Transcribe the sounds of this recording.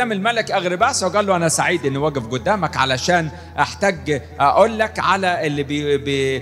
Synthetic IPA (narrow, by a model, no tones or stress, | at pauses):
æːmelmælekʔæɣɾɪbæsweɡæːlːoʔænæsaʕiːd̪ʔenːwæːɡefɡod̪ːæːmækʕa̰læʃæːn | ʔaħt̪æɡʔæʔoːlːækʕalæʔelːibbe